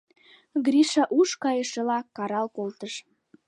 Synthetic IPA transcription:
ɡɾiʃɑʔuʃkɑjəʃelɑkːɑɾɑlkolt̪əʃ

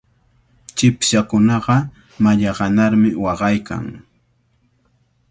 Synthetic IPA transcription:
t͡ʃɪpʃakʊnɑɢɑ | maʎɑɢɑnaɾmɪwɑɢɑjka̰ŋ

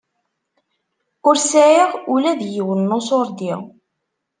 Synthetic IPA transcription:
ʊɾsæʕiʁʊlæðjiwənːosoɾˤd̪ḭʁ

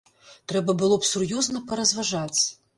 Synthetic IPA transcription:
t̪ɾɛbɐbɨlˠɔpsurjɔznɐpɐɾɐzvaʐat͡sʲ

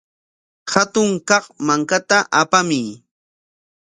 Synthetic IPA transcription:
hat̪ʊŋkɑχmaŋkat̪aʔapamɪj

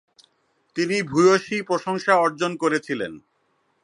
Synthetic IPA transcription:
t̪inibʱujoʃipɾoʃoŋʃaɔɾd͡ʑonkoɾet͡ɕʰilḛn

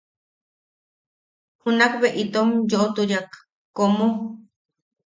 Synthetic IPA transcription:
hunakβeʔit̪omjoʔot̪uɾjak | komo

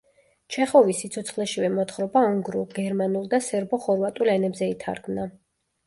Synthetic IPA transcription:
t͡ʃʰɛχɔvisːit̪sʰɔt̪sʰχlɛʃivɛmɔt̪ʰχɾɔbaɔŋɡɾulˠɡɛɾmanulˠd̪asɛɾbɔχɔɾvat̪ʼulɛnɛbzɛit̪ʰa̰ɾkʰmna

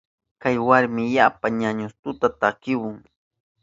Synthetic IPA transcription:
kajwaɾmɪjapaɲaɲʊst̪ʊt̪at̪akɪwʊŋ

